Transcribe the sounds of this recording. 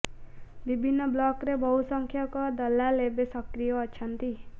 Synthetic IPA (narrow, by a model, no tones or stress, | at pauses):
bibʱinːʌblɔkɾebʌɦusʌŋkʰjʌkod̪ʌlːalebesʌkɾijʌːtːt͡ʃʰʌnt̪i